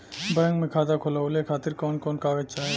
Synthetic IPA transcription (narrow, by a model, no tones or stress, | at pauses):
bɛŋkmẽkʰaːd̪akʰolawlekʰaːt̪iɾkɔːnkɔnkaːʋet͡ʃaːe